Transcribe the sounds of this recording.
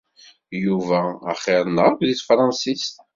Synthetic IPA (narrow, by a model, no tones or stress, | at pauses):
juvæ̰ːχeɾˤənːəʁkðiθfɾˤɑnsist̪